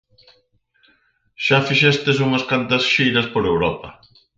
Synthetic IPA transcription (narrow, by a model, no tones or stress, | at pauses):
ʃafiʃɛst̪es̬uŋɐskant̪ɐsʃejɾɐspoɾewɾɔpɐ̰